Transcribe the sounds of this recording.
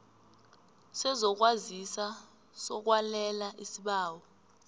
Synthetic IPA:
sɛzɔk̬wazisa | sɔk̬walɛlaʔisiɓaːwɔ

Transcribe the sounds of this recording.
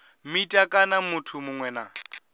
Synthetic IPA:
mitʼakʼanamutʰumʊŋwɛna̰

